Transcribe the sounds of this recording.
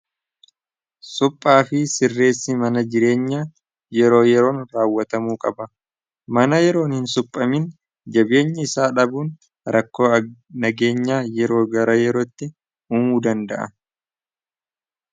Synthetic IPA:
sʊpʼːaːfɪsɪrːe̞ːsːɪmɐnɐd͡ʒɪɾe̞ːɲːaː | jɛɾo̞ːjɛɾo̞ːnɾaːwːɐt̪ɐmuːkʼɐbɐ | mɐnɐjɛɾo̞ːnhɪnsʊpʼːɐmɪn | d͡ʒɐbe̞ːɲːɪɪsaːᶑɐbuːn | ɾɐkːo̞ːɐnɐɡe̞ːɲːaːjɛɾo̞ːɡɐɾɐjɛɾoːt̪ːɪ | uːmuːd̪ɐnd̪ɐʔɐ̰

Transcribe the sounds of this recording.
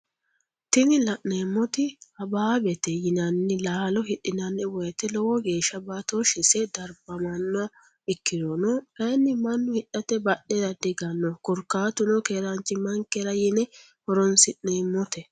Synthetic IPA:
t̪ɪnɪlɐʔneːmːɔt̪ɪɐbaːbɛt̪ɛjɪnɐnːɪlaːlɔhɪɗɪnɐnːɛwɔjɛt̪ɛlɔwɔɡe̞ːʃɐbat̪oʃɪsɛd̪ɐɾbɐmɐnːʊ | ɪkːɪd̪ɔnɔɐnːɪmɐnːʊhɪɗːɐt̪ɛbɐɗːɛd̪ɐd̪ɪɡɐnːɔkʊɾkːaːt̪ʊnɔkeːɾant͡ʃːɪmɐŋkːɛɾɐjɪnɛ | hɔɾɔnsɪʔneːmːɔt̪ɛ

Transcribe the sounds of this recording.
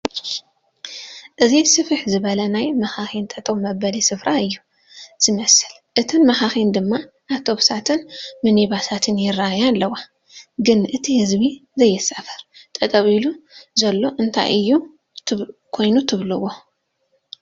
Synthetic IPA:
ʔɨzisɨfɨħzɨβɐlɐnajmɐxaxint̪ʼɐt̪ʼɐβmɐbɐlisɨfɾʔaɨjːu | z̥ɨmɐsɨl | ʔɨt̪ʰɨnmɐxaxind̪ɨmːa | ʔat̪ʰo̞βsat̪ʰɨnmɨniβasʰat̪ʰɨnjɪraajalːɐwa | ɡɨnʔɨt̪ʰihɨzbizɐjːɨsɐfɐɾt̪ʼɐt̪ʼɐβiluzɐlːo̞ʔɨnt̪ʰa̰jʔɨjːu | kʰo̞jnut̪ʰɨβlɨwo̞

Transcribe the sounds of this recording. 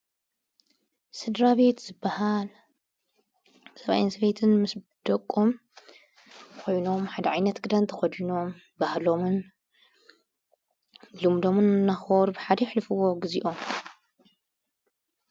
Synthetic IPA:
sɨd̪ɾaβe̞t̪z̥ɨbːahal | sɐβa̰jnsɨβet̪ʰɨnmɨs | d̪ɐkʼːom | kʰo̞jno̞mħad̪ɐʕajnɐt̪ɡɨd̪ant̪ʰɐ̥xɐd̪ino̞m | bahlo̞mɨn | lɨmd̪o̞mɨnnːaxoɾbɨħad̪ɐjħlɨfɨwo̞ɡɨziʔo̞m

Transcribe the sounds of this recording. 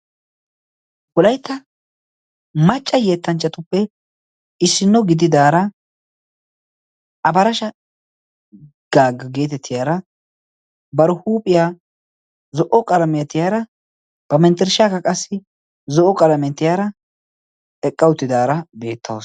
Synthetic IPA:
wɔlɐjt̪ːɐ | mɐt͡ʃʼːɐje̞ːt̪ːɐnt͡ʃːɐt̪ʊpːɛ | ɪsːɪnːɔɡɪd̪ɪd̪aːɾɐ | ɐbɐɾɐʃɐ | ɡ̥aːɡɐɡe̞ːt̪ɛt̪ʰːɪjaːɾɐ | bɐɾʊhuːpʼːɪjaː | zɔʔɔkʼɐlɐmɪjɐt̪ːɪjaːɾɐ | b̥ɐmɛnt̪ɛɾʃakɐkʼɐsːɪ | zɔʔɔkʼɐlɐmɛnt̪ːɪjaːɾɐ | ɛkʼːɐwʊt̪ːɪd̪aːɾɐbe̞ːt̪ʰːɐwos

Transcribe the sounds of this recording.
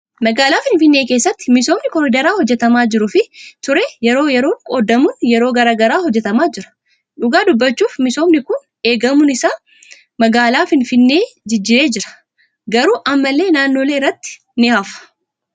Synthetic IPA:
mɐɡaːlaːfɪnfɪnːe̞ːke̞ːsːɐt̪ːɪ̥mɪso̞ːmnɪkɔɾɪd̪ɐɾaːhɔd͡ʒːɛt̪ɐmaːd͡ʒɪɾʊfɪt̪ʊɾeːjɛɾo̞ːjɛɾo̞ːŋkʼoːd̪ɐmʊnjɛɾo̞ːɡɐɾaːɡɐɾaːhɔd͡ʒːɛt̪ɐmaːd͡ʒɪɾɐ̥ | ᶑʊɡaːd̪ʊbːɐt͡ʃːuːfmɪso̞ːmnɪkʊn | e̞ːɡɐmʊnɪsaː | mɐɡaːlaːfɪnfɪnːe̞ːd͡ʒɪd͡ʒːɪɾe̞ːd͡ʒɪɾɐ̥ | ɡɐɾuːʔɐmːɐlːe̞ːnaːnːo̞ːle̞ːɪrːɐt̪ːɪ̥ | nɪhaːfɐ̥

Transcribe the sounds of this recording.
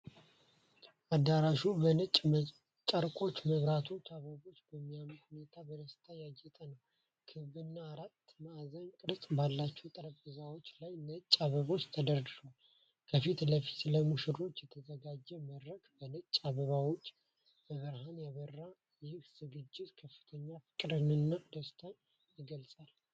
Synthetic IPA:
ad̪aɾaʃubənət͡ʃʼ | t͡ʃʼaɾkʼo̞t͡ʃːməβɾat̪ʰo̞t͡ʃːaβəβo̞t͡ʃːbəmːijamət̪hune̞t̪ʰabəd̪əst̪ʰajad͡ʒɛt̪ʼənəw | kʰɨβɨnːaːɾat̪ːmazəɲkʼɨɾsʼbalːat͡ʃːɛwt̪ʼəɾəpʼɨzawo̞t͡ʃːlajnət͡ʃʼːaβəβo̞t͡ʃːt̪ʰəd̪əɾd̪ɨʃal | kʰəfit̪ləfi̥t̪ləmuʃɨɾo̞t͡ʃːjɛt̪ʰəzəɡad͡ʒːɛməd̪ɾəkbənət͡ʃʼːaβəβawo̞t͡ʃː | bəβəɾhanjaβərːa | jɪhz̥ɨɡɨd͡ʒːɪt̪kʰəfːɨ̥t̪ʰəɲːafɨ̥kʼɨɾɨnɨnːad̪əst̪ʰa | jɪɡəlsʼal

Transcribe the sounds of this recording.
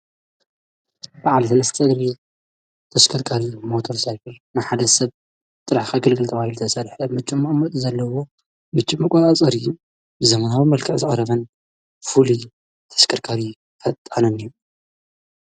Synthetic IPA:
b̥aʕalt̪ʰɨnɐst̪ʰʼɨd̪ɾi | t̪ʰɐskʰɐɾkʰaɾimot̪ʰoɾsajbɨl | nɨħad̪ɐsɐβ | t̪ʼɨɾaħkʰaɡɨlɡɨlt̪ʰɐβahilut̪ʰɐsɐɾħɐmɨt͡ʃʼːumamɐt̪ʼzɐlːɐwo̞ | mɨt͡ʃʼːɪmɐkʷʼɐt̪ʼat͡sʼɐɾijːu | bɨzɐmɐnawimɐlkʰɐʕzɨχʼɐɾɐβɐn | fuli | t̪ʰɐ̥skʰɐɾkʰaɾi | fɐt̪ʼːanoniju

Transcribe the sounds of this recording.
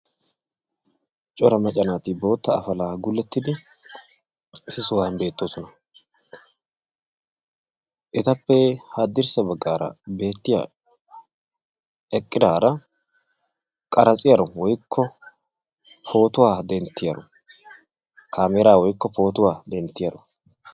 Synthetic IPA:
t͡ʃʼɔɾɐmɐt͡ʃʼɐnaːt̪ɪbo̞ːt̪ːɐːfɐlaːɡʊlːɛt̪ːɪd̪ɪ | sɪsʊwaːnbe̞ːt̪ːoːsɔnɐ | ʔɛt̪ɐpːɛhaːd̪ːɪɾsɐbɐɡːaːɾɐ̰be̞ːt̪ːɪja̰ | ɛkʼːɪd̪aːɾɐ | kʼɐɾɐt͡sʼɪjɐɾɔwɔjkʰːɔ | pʰo̞ːt̪ʊwaːd̪ɛnt̪ːɪjɐɾɔ̰ | kʰaːmɛɾaːwɔjkːɔpo̞ːt̪ʊwaːd̪ɛnt̪ːɪjɐɾɔ

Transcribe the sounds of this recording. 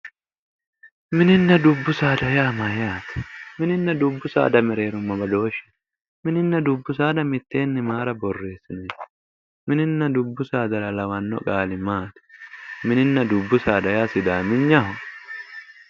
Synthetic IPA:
mɪnɪnːɐd̪ʊbːʊsaːd̪ɐjaːmɐjaːt̪mɪnɪnːɐd̪ʊbːʊsa̰ːd̪ɐmɪɾe̞ːɾʊmːɐbɐd̪o̞ːʃɪ̥n | mɪnɪnːɐd̪ʊbːʊsaːd̪ɐmɪt̪ːe̞ːnːɪmaːɾɐbɔrːe̞ːsːɪnʊ̥ | mɪnɪnːɐd̪ʊbːʊsaːd̪ɐlɐlɐwɐnːɔ̰kʼaːlɪmaːt̪ɪ̥mɪnɪnːɐd̪ʊbːʊsaːd̪ɐjaːsɪd̪aːmɪnɲɐhʊ

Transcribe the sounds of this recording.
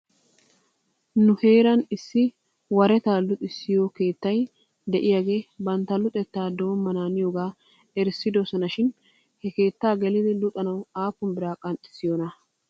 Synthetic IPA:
nʊhe̞ːɾɐnɪsːɪ | wɐɾɛt̪aːlʊt̪ʼɪsːɪjoːke̞ːt̪ːɐj | d̪ɛʔɪjaːɡe̞ːbɐnt̪ːɐlʊt̪ʼɛt̪ːaːd̪oːnmːɐnaːnɪjoːɡaː | ɛɾsːɪd̪ɔsɔnɐʃɪn | hɛke̞ːt̪ːaːɡɛlɪd̪ɪlʊt̪ʼɐnɐwaːpːʊnbɪɾaːkʼɐnt̪ʼɪ̥sːɪjonɐ

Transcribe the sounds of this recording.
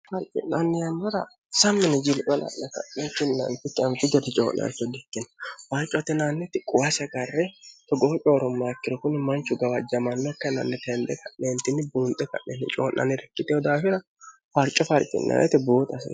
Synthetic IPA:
fɐɾt͡ʃʼɪ̰nɐnːɪjɐnːɐɾɐ̰ | sɐmːɪnɛd͡ʒɪlkʼɛnɐ̰nːɛkɐ̰nːɛkːɪnnɐ̰nt̪ɪkːɪɐnfɪd͡ʒɔt̪ɛt͡ʃʼo̰ːnːɛ̰ɐ̰t͡ʃːɔd̪ɛkːɪnɐ̥fɐɾt͡ʃʼːɔt̪ːɪnanːɛt̪ɪkʼʊwɐsɛkɐrːɛt̪ɔɡɔɔt͡ʃʼoːɾɔmːaːkːɪɾɔkʊnmɐnt͡ʃːʊɡɐwɐd͡ʒɐmɐnːɔkːɐnɐ̰nːɛt̪ɛnd̪ɛkɐʔeːnt̪ɪnːɪbuːnt̪ʼːɛkɐ̰ʔːɛnɪ̰t͡ʃʼo̰ːnːɐ̰nɪɾɛkːɪt̪ːɛɔd̪aːfɪɾɐ | fɐɾt͡ʃʼːɔfɐɾkʼɪ̰nːɐ̰nʔɛ̰t̪ɪboːt̪ʼɐsɐ̰

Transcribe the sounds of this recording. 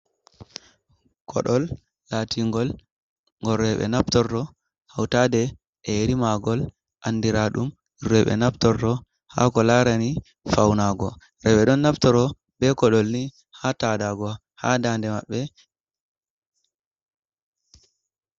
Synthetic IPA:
kʰɔ̰ɗɔlː | atʰiŋɡɔl | ŋɡɔɾːɛɓɛ̰naptɔɾtɔ | hawtadɛ | ʔɛɾimaɡɔl | ʔanːdiɾaɗum | irɛɓɛ̰naptɔɾtɔ | ha̰kɔlaɾani | fawnaɡɔ | ɾɛɓɛɗɔnːaptɔɾɔ | bɛkɔɗɔlni | hatadaɡɔ | hadandɛmaɓːɛ

